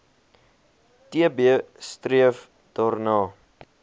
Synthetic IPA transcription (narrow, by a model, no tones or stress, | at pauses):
tiəbiəstriəf | d̥ɔrnɑː